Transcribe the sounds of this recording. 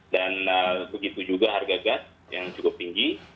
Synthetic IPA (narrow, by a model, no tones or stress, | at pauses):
danəbəɡit̪ud͡ʒuɡaɦarɡaɡat̪̚ | jaŋt͡ʃukʊp̚t̪iŋɡi